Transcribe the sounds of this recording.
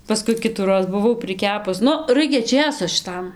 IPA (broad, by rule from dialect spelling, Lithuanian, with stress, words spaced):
pɐˈskʊɪ ˈkʲɪtuːroːs bʊˈʋɐʊ pʲrʲɪˈkʲæːpʊs ˈnʊ ˈrɐɪkʲɛ ˈt͡ʃʲeːsoː ʃʲɪˈtɐm